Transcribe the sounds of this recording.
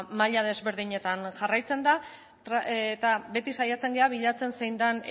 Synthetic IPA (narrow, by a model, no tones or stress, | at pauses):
maʎað̞e̞zβe̞ɾð̞iɲe̞t̪anʝarajt͡se̞nd̪a | t̪ɾat̪aβe̞t̪isajat͡se̞ŋɡe̞aβ̞iʎat͡se̞nse̞jnd̪an